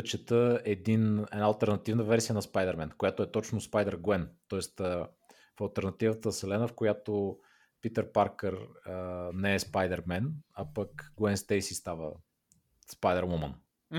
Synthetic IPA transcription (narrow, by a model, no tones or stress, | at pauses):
t͡ʃɛt̪əɛd̪inɛ̰dnaɐlˠt̪ɛɾnɐt̪ivnəvɛɾsijənɐspajd̪ɛɾmɛnkojat̪oɛt̪ɔt͡ʃnʊspajd̪ɛɾɡwɛnt̪ɔɛst̪ə | fɐlˠt̪ɛɾnɐt̪ivət̪əsɛlɛnəfkojat̪o | pit̪əɾpaɾkəɾənɛɛspajd̪ɛɾmɛnapəkɡwɛnst̪ɛjsist̪avə̰ | spajd̪ɛɾmɔmə̰n